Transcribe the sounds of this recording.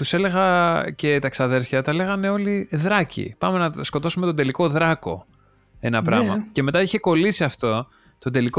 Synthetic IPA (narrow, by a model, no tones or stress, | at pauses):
t̪use̞le̞ɣɐce̞t̪ɐksɐðe̞ɾçɐt̪ɐle̞ɣɐne̞o̞liðɾɐcḭpɐme̞nɐsko̞t̪o̞sume̞t̪o̞d̪e̞liko̞ðɾɐko̞̰ | e̞nɐpɾɐ̰mɐ̰ce̞me̞t̪ɐiçe̞ko̞lisiɐft̪o̞ | t̪od̪e̞liko